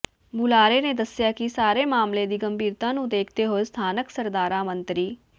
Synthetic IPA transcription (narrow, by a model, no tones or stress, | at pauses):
bʊlaːɾeːneːd̪əsjaːkisaːɾeːmaːmled̪iːɡəmbiːɾt̪ãːnũːd̪eːkʰt̪eːɦoest̪ʰaːnəksəɾd̪aːɾãːmə̃nt̪ɾiː